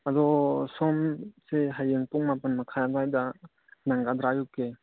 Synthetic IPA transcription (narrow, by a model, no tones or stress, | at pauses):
ɐdɔsɔmseɦajeŋpuŋmapənmɐkʰadajdɐ | naŋɡad̪ɾajɔkːe